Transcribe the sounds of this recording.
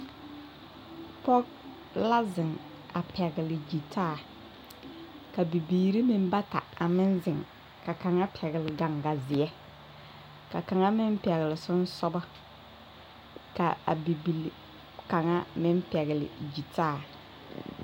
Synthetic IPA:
pɔ˦ɡ̚ | la˦zɪ˨ŋ | a˨pʰɛ˨ɡɪ˨lɪ˨d͡ʒi˨tʰaː˦˨ | ka˨bi˨biː˨ɾi˦mɪ˦m˦ba˦ta̰˨a˨mɪ˦nzɪ˨ŋ | ka˨ka˨ŋa˦pʰɛ˨ɣɪ˨lɪ˨ɡa˨ŋɡa˨zɪ˨ɛ˦ | ka˨ka˨ŋa˦mɪ˦m˦pɛ˨ɣɪ˨lɪ˨sʊ˦n˦sɔ˦ba˦ | ka̰˨a̰˨bi˨bi˨l | ka˨ŋa˦mɪ˦m˦pɛ˨ɣɪ˨lɪ̰˨d͡ʒi˨taː˦˨

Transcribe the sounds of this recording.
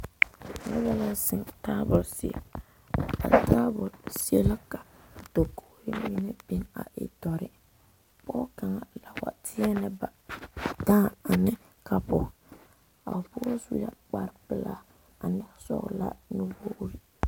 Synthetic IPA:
na̰˦bɛ˦la˦sɪ˨ta˦bʊ˨lsi˨ḛ˨ | a̰˨tʰaː˦bʊ˨si˦e˦la˦ka˨do˨ko˦ɾi˦mi˦ne˦bi˦na̰˨ʔɪ̰˨dɔ˨ɾɪ˨ | pɔː˦ka˨ŋa˨la˨wa̰˨tʰɪ˦ɛ˦nɛ˦ba˨daː˦˨a˨nɪ˦ | kʰa˨pʊ˨ | a̰˨pʊ˦sṵ˦ja˦k͡pa˨ɾpɪ˨la˦ | a˨nɛ˦sɔ̰˦ɣ̰la̰˦nu˦bo˦ʔɾi˦

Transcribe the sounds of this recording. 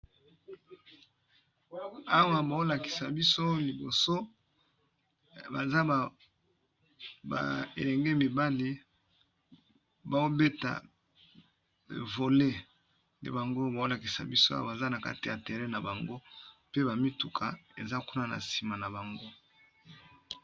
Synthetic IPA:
a˦wa˨ba˨o˦la˨ki̥˨sa˨bi˦so˦li˨bo˨so˦ | ba˨za˦˨ | ba̰˨ḛ˨lɛ˨ŋɡe˦mi˨ba˦li˦ | ba˨o˦be˦ta̰˨ | ḛ˨vo˨le˦ | ndḛ˦ba˨ŋɡo˦ba˨o˦la˨ki˨sa̰˨bi˦so˦a̰˦a̰˦˨ba˨za˦na˨ka̰˦ti˨ja˨te˨ʁɛ˦na˨ba˨ŋɡo˦pe˦ba˨mi˦tu˨kʰa̰˨ḛ˨za˦ku˦na˦na̰˨si˨ma˨na˨ba˨ŋɡo˦

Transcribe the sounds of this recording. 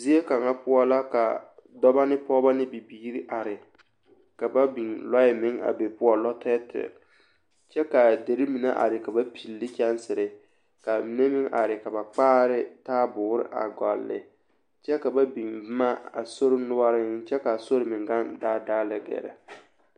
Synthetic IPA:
zi˦e˦ka˨ŋa˦pʊ˦a˦la˦ka̰˨dɔ˦ba˦nɪ˦pɔ˦ba˦nɪ˦bi˨biː˦ɾi˦ʔa˨ɾɪ˨ | ka˨ba˦bi˨ŋlɔ˦jɪ˦mɪ˦ŋa̰˨be˨pʊ˦ɔ˨lɔ˦tʰɛ˦tʰɪ̰˨ | t͡ʃɛ˦ka˨de˨ɾɪ˦mi˨na˦ʔa̰˨ɾɪ˨ka˨ba˦pʰi˨lːɪ˦kʲɛ˦nsɪ˨ɾɪ˨ | ka˨mi˨ne˦mɪ˦ŋʔa̰˨ɾɪ˨ka˨ba˨k͡paː˦ɾɪ˦taː˦bʊː˨ɾɪ̰˦ʔa̰˨ɡa̰˨lːɪ̰˨ | t͡ʃɛ˦ka˨ba˦bi˨ŋbma˦a̰˨so˦ɾɪ˦nʊ˦a˦ɾɪ˦t͡ʃɛ˦ka˨so˦ɾɪ˨mɪ˨ɡa˦ndaː˦daː˦lɪ˦ɡɛ̰˨ɾa̰˨

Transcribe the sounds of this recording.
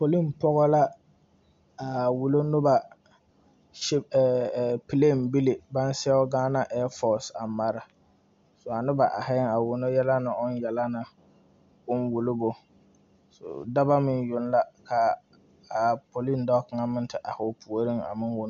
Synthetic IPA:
po˨li˦˨npɔ˦ɣɔ˦la˦ | a˨wu˨lo˦nʊ˦ba˨ | ʃɪ˦˨pi˨le˦˨n˨bi˦lɪ˨ba˦n˦sɛ˦ɔ˦ɡaː˦na˦ʔɛː˦fɔ˦˨sa˨ma˨ɾɪ˨ | sʊ˨a˨nʊ˦ba˨ʔa˨hɪ˦ŋa˨wʊ˨nʊ˦jɛ˦la˦nɪ˨ʔʊ˦n˦jɛ˨la˦na˨ | ʊ˦nwu˨lʊ˦bʊ˨ | sʊ̰˨da˦ba˦mɪ˦njʊ˨n˦la˦kʰa˨ | a˨pʰo˨li˦ndɔ˦kŋa˦mɪ̃˦n˦tɪ˨ʔa˨hʊ˨pʰu˨o˨ɾi˦ŋa̰˨mɪ˦nwʊ˨nʊ˦

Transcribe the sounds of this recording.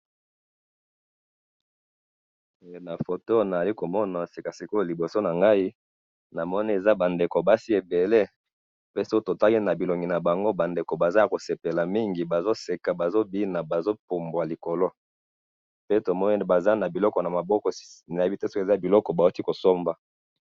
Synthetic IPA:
e˨je˨na˨fo˨to˦na˨a˨li˦ko˨mɔ˦na˨si˨ka˨si˨ko˦˨li˨bo˨so˦na˨ŋɡa˦i˦ | na˨mɔ˦ni˦e˨za˦ba˨nde˨ko˨ba˦si˦e˨be˨le˦ | pe˦so˦o˦to˨ta˦ki˦na˨bi˨lo˨ŋɡi˨na˨ba˨ŋɡo˦ba˨nde˨ko˨ba˨za˦a˨ko˨se˨pe˨la˨mi˦ŋɡi˨ba˨zo˦se˨ka˨ba˨zo˦bi˦na˨ba˨zo˦pu˨mbwa˨li˨ko˨lo˦ | pe˦to˨mɔ˦n˦ba˨za˦na˨bi˨lɔ˦kɔ˨na˨ma˨bɔ˦kɔ˨na˨je˦bte˦so˦ke˨za˦bi˨lɔ˦kɔ˨ba˨o˦ti˦ko˨so˦mba˨

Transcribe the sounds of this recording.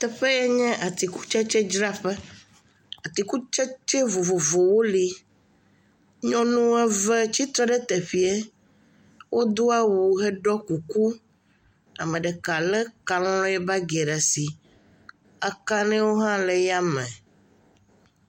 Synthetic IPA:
t̪ɛ˨ɸɛ˦jɛ˦ɲɛ̃˦ʔa˨t̪i˨ku̥˦t͡ʃɛ˦t͡ʃɛ˦d͡ʒɾa˦ɸɛ˦ | a˨t̪i˨ku˦t͡ʃɛ˦t͡ʃɛ˦vo˨vo˨vo˨wo˦li˦ | ɲɔ̃˦nũ˦ɛ˦vɛ˦t͡ɕi˦t̪ɾɛ˦ɖɛ˦t̪ɛ˨ɸi˨˦ɛ˦ | wʔo˦d̪o˦a˦wu˨ɦɛ˦ɖɔ˦ku˨ku˦ | a˨mɛ̃˨ɖɛ˨ka˨lɛ˦ka˨lɔ̃˦lɔ̃˦jɛ˦ba˦ɡe˨ɖa˨si˨ | a˨ka˦nɛ̃˦wo˦ɦã˦lɛ˨ja˦mɛ̃˨

